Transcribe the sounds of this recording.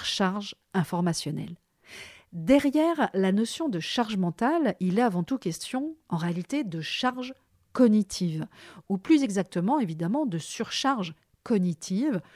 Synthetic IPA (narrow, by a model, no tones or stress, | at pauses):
ʃaʁʒ | ɛ̃fɔʁmasjɔnɛ̰l | d̪ɛʁjɛʁlanɔsjɔ̃d̪əʃaʁʒmɑ̃t̪alilɛavɑ̃t̪ukʲɛst̪jɔ̃ɑ̃ʁealit̪ed̪əʃaʁʒ | kɔnit̪ʰivuplyzɛɡzak̚t̪əmɑ̃evid̪amɑ̃d̪əsyʁʃaʁʒ | kɔnit̪ʰiv